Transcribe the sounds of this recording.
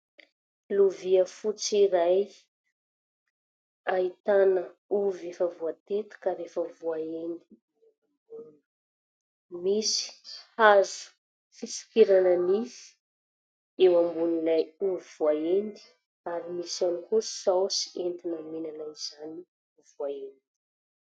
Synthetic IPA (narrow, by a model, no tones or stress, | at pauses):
luviəfut͡siɾaj | ait̪anəuvefəvuat̪et̪u̥kaɾefəvuaend̪i | ambunn | misi̥hazu̥ | fisi̥kiɾanənifi̥ | ewambunilajuvivuaend̪i̥ | aɾimisanikussawsi̥ent̪inəmenanajzani | vuaeni